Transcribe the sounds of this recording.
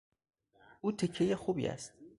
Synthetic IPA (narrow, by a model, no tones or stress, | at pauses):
uːt̪ʰecʰːejexuːbḭæ̰st̪